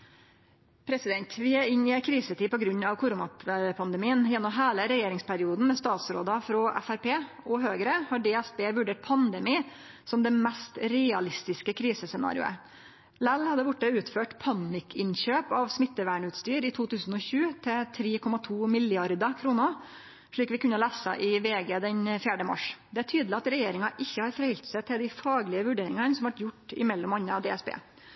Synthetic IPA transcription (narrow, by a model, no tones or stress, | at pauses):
pʰɾɛsɪd̪ɛnt̪ʋɪæɪnɪɛkʰɾiːsət̪iːpɔɡɾʉɲːɑʋkʰʊɾuːnɑpʰɑnd̪ɛmiːənjɛnːɔmɦeːləɾɛjeːɾɪŋspʰæɾɪuːd̪n̩mɛst̪ɑːt̪sɾo̰ːd̪ɑfɾɔʔæ̰fæɾpeː | ɔɦøːɡɾəhɑɖeːɛsbeːʋʉɖeːʈ̚pʰɑnd̪ɛmiː | sɔmd̪ɛmɛst̪ɾɛɑlɪst̪ɪskəkʰɾiːsəsɛnɑ̰ːɾɪʊ̰ə̰ | lælhɑd̪ːəbʊʈːəʉːt̪føːʈpʰɑnɪkʰɪnçøːpɑʋsmɪt̪ːəʋæːɳʉːt̪st̪yːɾɪt̪ʰuːt̪ʉːsn̩ɔçʉːt̪ʰɛt̪ʰɾeːkʰɔmɑt̪ʰuːmɪljɑɾd̪əkʰɾuːnə | ʂɭiːkʋɪkʉnːəlæːsə̰ʔɪʋeːɡeːd̪ɛnfjæːɖəmɑ̰ʂd̪ɛæʈʰyːd̪lɪɑt̪ɾɛjeːɾɪŋɑʔɪçːəhɑɾfɾɛhʏlt̪sæɪt̪ʰɪld̪ɪfɑːɡlɪəʋʉɖeːɾɪŋɑnsɔmʋɑʈjʊʈːɪ̰mɛlːɔmɑnːəɑd̪eːɛsbḛː